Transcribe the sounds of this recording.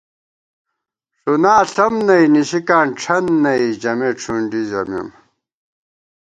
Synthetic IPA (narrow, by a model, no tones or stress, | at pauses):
ʂunaːɬɐmnɐiniɕikaːnʈ͡ʂʰɐnːɐid͡ʑɐmeːʈ͡ʂʰuɳɖizɐmḭm